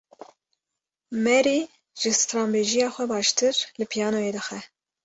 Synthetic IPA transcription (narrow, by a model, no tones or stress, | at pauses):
mɛɾi | ʒ̥ɨst̪ɾɑːmbeːʒijɑːxʷɛbɑːʃt̪ʰɨɾlɨpʰijɑːnojeːd̪ɨxɛ